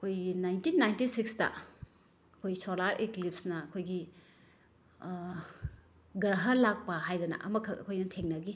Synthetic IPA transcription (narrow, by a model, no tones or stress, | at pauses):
ɐkʰojɡinajntinːajntisikstɐ̰ | ɐkʰojsolaɾʔiklip̚snɐɐkʰojɡi | ɡɾɐɦɐlak̚pɐɦajdɐnɐ̰ʔɐ̰mɐkʰːɐɐ̰kʰojnɐtʰeŋnɐɡi